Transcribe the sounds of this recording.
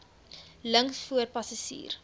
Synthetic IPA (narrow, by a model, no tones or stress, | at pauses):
ləŋkfuərpɐsɐsḭːr